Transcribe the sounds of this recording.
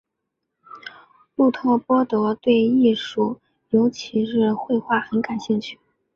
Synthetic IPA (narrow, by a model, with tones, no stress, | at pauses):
pu˥˩t̪ʰɔ˥˩pwɔ˥t̪ɤ˧˥t̪we˥˧ɪi˥˧ʂu˥˩ | jo˧˥ʊt͡ɕʰi˧˥ʂɻ̩˥˧xwe˥˧ɪxwa˥˩xə˧˥nka˨˩nɕi˥˧ŋt͡ɕʰy˥˩